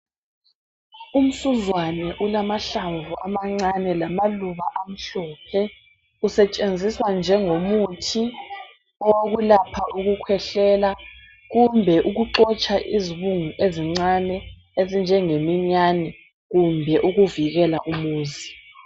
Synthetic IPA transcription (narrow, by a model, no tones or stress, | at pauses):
um̩suzwanɛʔulamaɬaɱvuʔamaŋ͡ǀanɛlamaluβaʔam̩ɬɔːpʰɛ | usɛt͡ʃʼend͡zʱiswand͡ʒʱɛŋomutʰi | ɔɣulapʰaʔuɣukʰwɛɬɛːla | ɣumbʱɛʔuɣuǃɔt͡ʃʼaʔiziβuŋuʔeziŋ͡ǀanɛ | ezind͡ʒʱɛŋemiɲanɛ | ɣumbʱɛʔuɣuviɣɛlaʔumuːzi